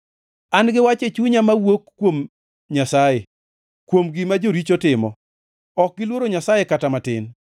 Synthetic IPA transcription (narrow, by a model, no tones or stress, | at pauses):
anɡɪwat͡ʃet͡ʃuɲamawokːwom | ɲasaje | kwomɡɪmad͡ʒoɾit͡ʃotɪmɔ̰ | ɔk̚ɡɪlwoɾoɲasajekatamatɪ̰n